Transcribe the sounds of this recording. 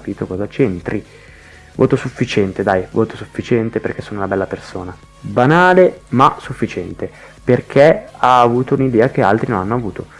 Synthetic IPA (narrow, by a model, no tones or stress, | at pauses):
piːt̪okɔːzat͡ʃent̪ɾi | vo̰ːt̪osufːit͡ʃɛnt̪ed̪ajvoːt̪osufːit͡ʃɛnt̪eperkːɛsːoːnolabɛlːapersoːna | banaːlemasufːit͡ʃɛnt̪e | perk̟ʰeaːvuːt̪ounid̪ɛːak̟ealt̪ɾinonanːoavuːt̪ʰo